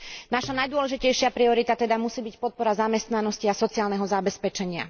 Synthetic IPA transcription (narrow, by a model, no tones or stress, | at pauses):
naʃanajd̪ʊɔlɛʒicɛjʃɪapɾiɔɾit̪at̪ɛd̪amusiːbicpɔt̪̚pɔɾazamɛst̪nanɔsciasɔt͡siaːlnɛɦɔzabɛspɛt͡ʃɛɲɪa̰